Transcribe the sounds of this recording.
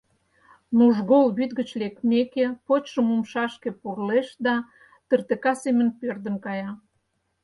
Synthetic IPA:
nuʒɣolβyt̪ɡət͡ɕlek̪̚mekepot͡ɕʃəmumʃɑʃkepurleʃd̪ɑ | t̪ərt̪ekɑsemənpørd̪ə̆nkɑjɑ

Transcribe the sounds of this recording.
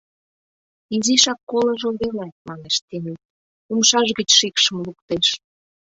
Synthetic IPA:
iziʃɑkːolɤ̆ʒold̪elɑt̪̚mɑneʃt̪ene | umʃɑʒɣət͡ɕʃikʃəmlukt̪eʃ

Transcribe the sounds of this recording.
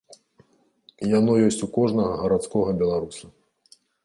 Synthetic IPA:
janɔjɔsʲt͡sʲukɔʐnɐɣɐɣɐɾat̪skɔɣɐbʲɛlˠaɾusu

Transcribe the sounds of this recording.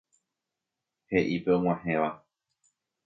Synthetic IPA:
he̞ʔipeõŋ̃w̃ãhẽʋa

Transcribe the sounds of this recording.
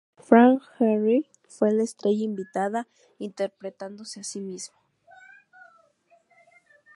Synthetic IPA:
fɾaŋxeri | fwelaest̪ɾeʝaimbit̪aða | int̪eɾpɾet̪and̪oseasimismo

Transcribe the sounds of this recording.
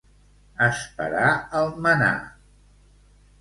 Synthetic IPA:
əspə̰ɾaəlˠməna̰

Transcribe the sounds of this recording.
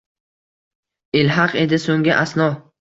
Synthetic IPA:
ɪlɦɑqe̞d̪ɪsoŋɡʲɪʔasnɒ

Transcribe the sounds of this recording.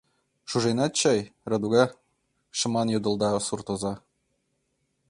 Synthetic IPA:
ʃuʒenɑt̪̚t͡ɕɑjrɤ̆d̪uɡɑ | ʃɤ̆mɑnjŏd̪ɤ̆lˠd̪ɑsurt̪ozɑ

